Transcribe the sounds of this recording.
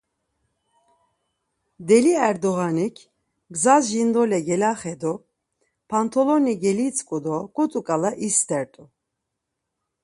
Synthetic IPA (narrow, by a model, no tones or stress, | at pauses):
d̪ɛliɛɾd̪ɔɣanikʰ | ɡzazʒind̪ɔlɛɡɛlaχɛd̪ɔ | pʰant̪ʰɔlɔniɡɛlit͡sʼkʼud̪ɔkʼut̪ʼukʼalaʔist̪ʰʼɛɾt̪ʼu